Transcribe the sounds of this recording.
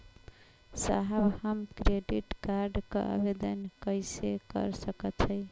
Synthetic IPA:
sa̰ɦəbhəmkɾeɖiʈkaɾɖkə̰ə̰bed̪ənkəɪsekə̰ɾsəkət̪t͡ʃʰəɪ

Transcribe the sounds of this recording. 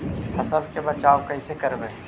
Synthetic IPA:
hɐsəbkebɐt͡ʃaːokɐɦisekɐɾbẽː

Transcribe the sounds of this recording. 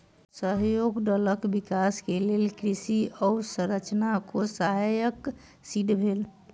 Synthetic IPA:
səɦjoɡɖələkbikaskelelkɾisiɔsə̃ɾət͡ʃnakosaɦajək | siɖbʱel

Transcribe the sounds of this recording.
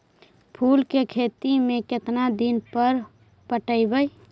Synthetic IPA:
pʰuːlkekʰeːt̪imẽkɪt̪nad̪inpəɾ | pəʈəibəj

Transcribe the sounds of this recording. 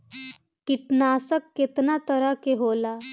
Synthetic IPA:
kiʈnasəkːet̪nat̪əɾakeɦola

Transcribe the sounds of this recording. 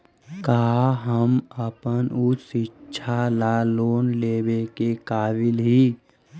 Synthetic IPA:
kaːɦəməpənʊt͡ʃsɪtːʃʰalaːloːnleːbekekaːʋɪlɦiː

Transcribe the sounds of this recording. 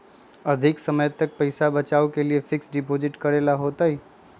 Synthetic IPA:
ɐd̪ʱɪksəməjt̪ək̚pəɪsabɐt͡ʃaːukeliefʰɪksɖɪpoːd͡ʒɪʈkɐɾelaɦoːt̪aɦiː

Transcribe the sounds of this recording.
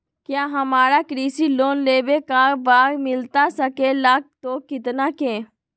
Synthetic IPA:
kjaːɦɐmaːɾaːkɾiːsiloːnleːbekaːɾbaːɾmɪlt̪asəkelaːk̚t̪oːkɪt̪naːkẽː

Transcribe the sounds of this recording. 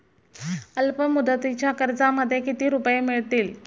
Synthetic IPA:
əlpəmud̪ət̪it͡ɕjakəɾd͡zaməd̪ʱːjekit̪iːɾupəjemiɭt̪iːl

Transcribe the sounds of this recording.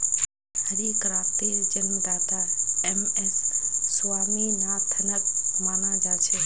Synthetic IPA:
hɐɾiːkɾaːt̪ed͡ʒɐnd̪aːt̪aːemesːʊʋaːmiːnaːt̪ʰɐnət̪maːnãːd͡ʒaːt͡ʃʰeː

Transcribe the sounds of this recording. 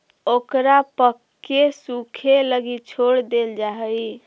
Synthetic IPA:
okɾapəkːesukʰeləɡit͡ʃʰoɽd̪eld͡ʒaɦəi

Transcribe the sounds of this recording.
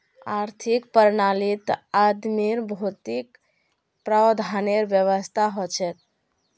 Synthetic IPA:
aɾt̪ʰikpəɾnalit̪ad̪miɾbʱot̪ik | pɾad̪ʱaneɾʋjəʋəst̪ʰaɦot͡ʃʰɛt̪̚

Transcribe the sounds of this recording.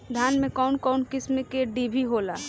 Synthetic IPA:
d̪ʱjaːnmẽkɔːnkɔːnkɪsmekeɖibʱiɦoːlaː

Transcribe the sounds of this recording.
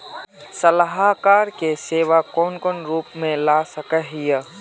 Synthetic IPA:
sɐlaɦakaːɾkeseːʋakɔːnkɔːnɾuːpmẽlaːsɐkəɦijə

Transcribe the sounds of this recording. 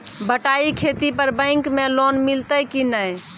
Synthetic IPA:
bəʈaikʰet̪ipəɾbə̃ɪŋkmelonmilt̪əjkinəj

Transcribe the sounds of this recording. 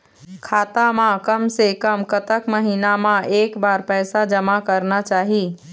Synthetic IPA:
kʰaːt̪amãkəmsekəmkət̪əkməɦinamãeːkbaːɾpɛːsad͡ʒəmakəɾnat͡ʃaːɦi

